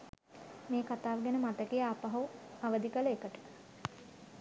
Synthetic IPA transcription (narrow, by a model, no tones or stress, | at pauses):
meːkat̪aːʋəɡænəmat̪əkejaːpaɦuaʋəd̪ikələekəʈə̥